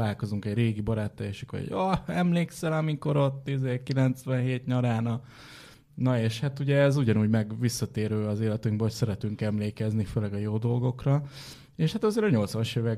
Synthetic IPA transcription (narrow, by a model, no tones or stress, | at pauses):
aːlko̞zuŋkɛɟreːɡibɒɾaːt̪ːɛjɛʃyko̰ɟoɛmleːksɛlɒmiko̞ɾo̞t̪ːizeːkilɛnt̪sʋɛnɦeːt̪ɲɒɾaːnɒ | nɒeːʃhat̪uɟɛːzuɟɒnuːɟmɛɡʋisːɒt̪eːɾøːɒzeːlɛt̪yŋɡ̚bɛɦocsɛɾɛt̪yŋkɛmleːkɛzniføːlɛɡɒjoːd̪o̞lɡo̞krɒ | eːʃhat̪ɒzeːɾɒɲo̞lt̪sɒʃjevɛ